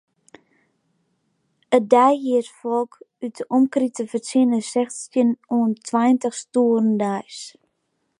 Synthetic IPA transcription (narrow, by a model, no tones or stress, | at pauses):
ədɛjɦiətfɔlˠkytəʔɔmkritəfərsɪnəsɛxtsjənuəntʰwɛjntəχstuːərəndɛjs